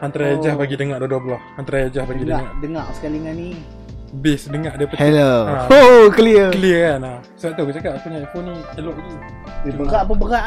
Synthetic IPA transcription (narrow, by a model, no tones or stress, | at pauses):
hant̪ɾajad͡ʒahbaɡidəŋaʔdodɔhbəlɔhhant̪ɾajad͡ʒahbaɡidəŋaʔdəŋaʔsə̥kaliŋani | bɪsdəŋaʔdəpətɛləaokliəkəliəkana | səbaʔt̪ukət͡ʃakatakuɲaafonihelɔʔt̪u | ibəɣaʔpunbəɣaʔ